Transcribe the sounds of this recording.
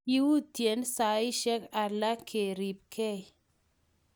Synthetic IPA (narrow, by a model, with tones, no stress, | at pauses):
i˦wu˦tje˨˦nsa˨ɪ˦ʃɛ˦ka˨la˦kʰe˨ɾi˨p̚kʰɛ˦˨